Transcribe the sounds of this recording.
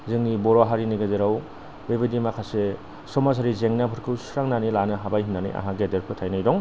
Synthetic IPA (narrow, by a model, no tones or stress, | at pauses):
zɯŋnibɔɾoɦaɾiniɡazeɾaw | bebidimakʰase | sɔmas̬ʰaɾizeŋnapʰɯɾkʰɯwsɾaŋnanilanɯɦabajɦinːanḭjʔa̰ɦaɡedeɾpʰɯtʰajnajdɔŋ